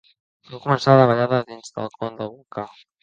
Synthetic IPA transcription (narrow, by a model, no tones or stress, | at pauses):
baŋkumənsaðəβaʎaðəðinzðə̰lˠkɔnd̪əlɣuŋka